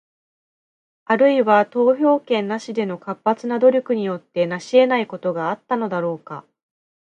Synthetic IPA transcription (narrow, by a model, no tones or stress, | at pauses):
aɾɯ̟iβat̪o̞ːço̞ːkẽ̞nːaɕid̪e̞no̞kapːat͡sɨnad̪o̞ɾʲo̞kɯ̟ɲ̟ijo̞t̪ːe̞naɕie̞naiko̞t̪o̞ɡaːt̪ːano̞d̪aɾo̞ːka̰